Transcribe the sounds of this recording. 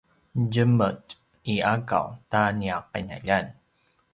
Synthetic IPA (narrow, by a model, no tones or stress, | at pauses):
ɟəmət | iaka̰wtaniaq̚a̰na̰ʎan